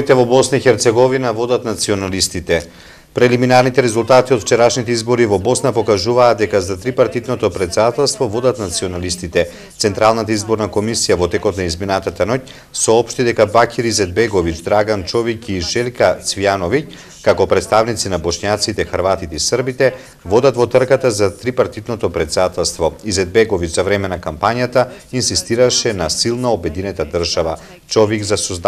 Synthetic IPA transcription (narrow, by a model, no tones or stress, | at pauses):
it̪ɛvɔbɔsnaixɛɾt̪sɛɡɔvinavɔd̪at̪nat̪siɔnalist̪it̪ɛ | pɾɛliminaɾnit̪ɛɾɛzulˠt̪at̪iɔt̪ft͡ʃɛɾaʃnit̪ɛizbɔɾivɔbɔsnapɔkaʒuvaːd̪̚d̪ɛkazat̪ɾipaɾt̪id̪nɔt̪ɔpɾɛt̪sɛd̪at̪ɛlˠst̪vɔvɔd̪at̪nat̪siɔnalist̪it̪ɛ | t̪sɛnt̪ɾalˠnat̪aizbɔɾnakomisijavɔt̪ɛkɔt̪naizminat̪at̪anoc̚ | sɔɔpʃt̪id̪ɛkabakʲiɾizɛd̪̚bɛɡɔvit͡ʃd̪ɾaɡant͡ʃɔviciʃɛlkat̪svianɔvic | kakɔpɾɛt̪st̪avnit̪sinabɔʃɲat̪sit̪ɛxəɾvat̪it̪ɛisrbit̪ɛ | vɔd̪at̪vɔt̪r̩kat̪azat̪ɾipaɾt̪id̪nɔt̪ɔpɾɛt̪sɛd̪at̪ɛlˠst̪vɔizɛd̪̚bɛɡɔvit͡ʃzavɾɛmɛnakampaɲjat̪ainsist̪iɾaʃɛnasilˠnaobɛd̪inɛt̪ad̪ər̩ʒava | t͡ʃɔviɡzasɔzd̪